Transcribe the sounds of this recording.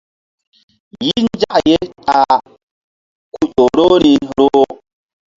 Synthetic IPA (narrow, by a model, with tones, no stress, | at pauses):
ji˦n˦d͡ʒa˦ʔje˦ta˨ | ku˨ʄo˨ɾo˦ɾi˨ɾo˦